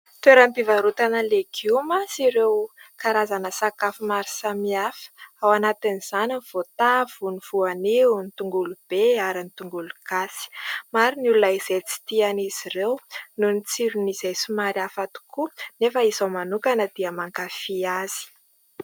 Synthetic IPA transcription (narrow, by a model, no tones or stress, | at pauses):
t̪eɾəmpivaɾut̪anəlekʰiuumasiɾewkaɾazanəsakafimaɾisamiafə̥awanat̪iniz̥aniv̥ot̪av̥univ̥uanenit̪uŋɡulub̥eaɾinit̪uŋɡulukasi̥maɾinulunaiz̥et͡si̥t̪ianiz̥irewnunit͡siɾuniz̥ejsumaɾjafat̪u̥kʰunefəizawmanukanəd̪̥iəmaŋkafiaz̥i̥